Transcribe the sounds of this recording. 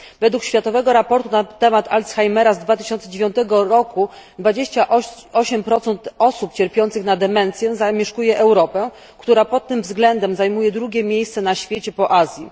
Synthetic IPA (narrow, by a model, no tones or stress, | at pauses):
vɛd̪wukɕfʲjat̪ɔvɛɡɔɾapɔɾt̪unat̪ːɛmat̪alt̪sxajmɛɾazd̪vat̪ɘ̥ɕɔnt̪sɛd͡ʑevʲjɔ̃nt̪ɛɡɔɾɔkud̪vad͡ʑeɕt͡ɕaʔɔɕɛmpɾɔt̪sɛnt̪ɔsupt͡ɕɛɾpʲjɔnt̪sɘxnad̪ɛmɛnt̪sʲjɛzamʲjɛʂkujɛʔɛwɾɔpɛ | kt̪uɾapɔt̪ːɘmvzɡlɛnd̪ɛmzajmujɛd̪ɾuɡʲjɛmʲjejst̪sɛnaɕfʲjet͡ɕɛpɔʔazʲji